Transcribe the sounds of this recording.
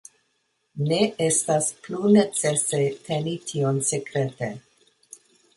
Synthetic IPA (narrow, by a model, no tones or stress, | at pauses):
ne̞estasplunet͡sese̞tʰe̞nitʰionsekɾe̞te